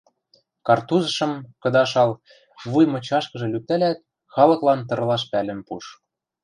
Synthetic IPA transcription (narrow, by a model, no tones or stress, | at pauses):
kɑrt̪uzɤ̆ʃɤ̆mkɤ̆d̪ɑʃɑl | βujmɤ̆t͡ɕɑʃkɤ̆ʒɤ̆lyt̪ɘlæt̪̚ | xɑlɤ̆klɑnt̪̬ɤ̆rlɑʃpælɘ̆npuʃ